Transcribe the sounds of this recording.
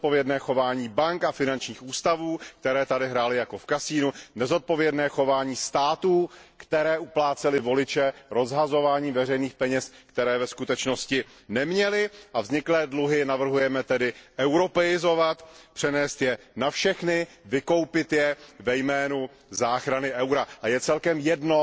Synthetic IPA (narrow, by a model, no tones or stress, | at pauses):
ot̪̚povjɛdnɛːxo̞vaːɲiːbaŋkafɪnant͡ʃɲiːxuːst̪avuːk̚t̪ɛɾɛːt̪adɪɦɾaːlɪjako̞fkasiːnunɛzo̞t̪̚po̞vjɛdnɛːxo̞vaːɲiːst̪aːt̪uːkt̪ɛɾɛːʔuplaːt͡sɛlɪvo̞lɪt͡ʃɛɾo̞zɦazo̞vaːɲiːvɛrɛjniːxpɛɲɛskt̪ɛɾɛːvɛskut̪ɛt͡ʃno̞scɪ | nɛmɲɛlɪʔavzɲɪklɛːdluɦɪnavr̩ɦujɛmɛt̪ɛdɪʔɛwɾo̞pɛɪzo̞vat̪pr̥ɛnɛːst̪jɛ | nafʃɛxnɪ | vɪko̞wpɪt̪jɛvɛjmɛːnu | zaːxɾanɪʔɛwɾaʔajɛt͡sɛlkɛmjɛdno